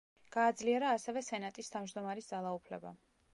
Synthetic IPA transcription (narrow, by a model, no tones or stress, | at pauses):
ɡ̥aːd̪zliɛɾaːsɛvɛsɛnat̪ʼist̪ʰavd͡ʒd̪ɔmaɾisd̪zalˠaupʰlɛ̰ba̰